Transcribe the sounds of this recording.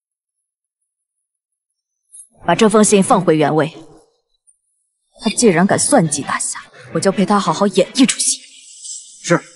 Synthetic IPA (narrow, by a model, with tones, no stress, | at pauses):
pa˨˩ʈ͡ʂɤ˥˩fɤ˥ŋɕi˥˩ŋfɑ˥˩ŋxwe˧˥ɪɥɛ˧˥nwe˥˩ɪ | t̪ʰa˥t͡ɕi˥˩ɻə˧˥nka˨˩nswa˥˩nt͡ɕi˧˥t̪a˥˩ɕja˥˩wɔ˨˩t͡ɕjʊpʰe˥ɪt̪ʰa˥xɑ˧˥xɑ˧˥ʊjɛ˨˩ni˥˩ʈ͡ʂʰu̥˨˩ɕi̥˥˩˦ | ʂɻ̩˥˩